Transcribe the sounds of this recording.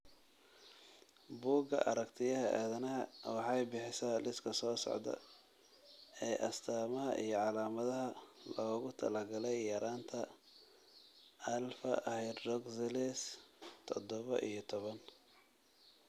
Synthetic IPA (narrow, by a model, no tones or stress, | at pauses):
buːɡɐ̰ʔɐ̰ɾɐkt̪ʰɪjɐɦɐʔa̰ːðɐnɐɦɐwɑħɑjbɪħɪsɐlɪskʰɐsɔːsɔ̰ʕd̪ɐ̰ | ɛːʔɐst̪ʰaːmɐɦɐ̰ʔijɞʕɑlaːmɐðɐɦɐlɔːɣʊt̪ʰɐ̰lɐɡɐlɛjːɐɾaːnt̪ʰɐ | ɐlfɐ̰ʔhɛjd̪rɔɡsɪlɛst̪ʰɔd̪ɔβɐ̰ʔijɞt̪ʰɔβɐn